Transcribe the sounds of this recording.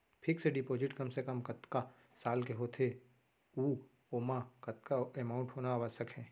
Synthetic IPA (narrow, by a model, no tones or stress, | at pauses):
pʰɪkseɖɪpoːd͡ʒɪʈkɐmsekəmkɐt̪ka | saːlkeɦoːt̪ʰe | uː | oːmakɐt̪kaemãːʊ̃ɳʈɦoːnaːʋəsəkɦɛ̃ː